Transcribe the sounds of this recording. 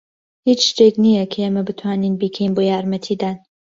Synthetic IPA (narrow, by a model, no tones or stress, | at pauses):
hiːt͡ʃʃt̪eːknijɐkʰɐeːmɐbɨt̪ʰwaːninbiːkʰɐinboːjaːɾmɐt̪ʰiːd̪aːn